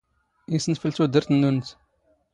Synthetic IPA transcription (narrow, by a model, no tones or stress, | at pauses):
isənfəlt̪ud̪əɾθənːunt̪